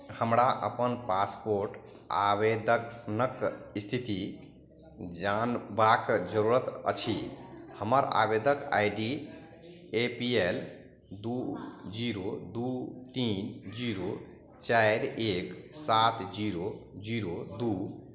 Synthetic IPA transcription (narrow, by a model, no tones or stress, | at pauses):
həmɾaʔə̰pənpaspoɾʈ | a̰bed̪ʱəknəkist̪ʰit̪i | d͡ʒanbakd͡ʒəɾuɾət̪ə̰t͡ʃʰihəməɾa̰bed̪ʱəka̰jɖi | epiel | d̪ud͡ʒiɾod̪ut̪ind͡ʒiɾo | t͡ʃajɾeksat̪ʰd͡ʒiɾod͡ʒiɾod̪u